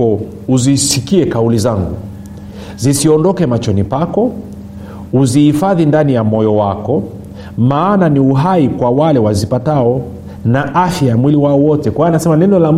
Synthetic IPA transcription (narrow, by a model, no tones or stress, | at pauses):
ɔ | uzisikiɛkaulizaŋɡṵ | zisiɔndɔkɛmat͡ʃɔnipakɔ | uzihifaðindanijamɔjɔwakɔ | maːnaniuɦaikwawalɛwazipataɔ | naʔafjajamwiliwaɔwɔtɛkwaanasɛmanɛnɔlam